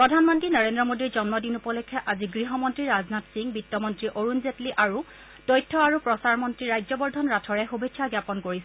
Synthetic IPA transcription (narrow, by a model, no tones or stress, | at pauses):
pɹɔdʱanmɔntɹinɔɹendɹɔmodiɹzɔnmɔdinupɔlekʰːɛʔaziɡɹiɦɔmɔntɹiɹaznatsiŋbitːɔmɔntɹiʔoɹunzetliʔaɹu | dɔjtʰːɔaɹupɹɔsaɹmɔntɹiɹajzɔbɔɹdʱɔnɹatʰɔɹɛxubʱekʰːaɡjapɔnkoɹisɛ